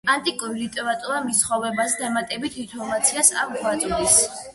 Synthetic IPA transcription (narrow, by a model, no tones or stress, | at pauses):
ant̪ʼikʼuɾiɾit̪ʼɛɾat̪ʼuɾamisχɔvɛbazɛd̪amat̪ʼɛbit̪ʰinp̪ʰɔɾmat̪sʰiasa̰kɡwat̪sʼis